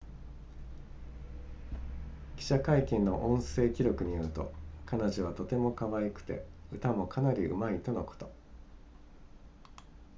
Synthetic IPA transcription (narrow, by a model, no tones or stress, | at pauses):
kʲi̥ɕakaikʲẽnːo̞̰ʔõ̞ɰ̃se̞ːkʲiɾʲo̞kɯ̟ɲ̟ijoɾɯ̟t̪o̞̰kanaʑiβ̞at̪o̞t̪e̞mo̞kaβaikɯ̟̥t̪e̞̰ɯ̟t̪amo̞kʰanaɾʲiɯ̟̰mait̪o̞no̞ko̥t̪o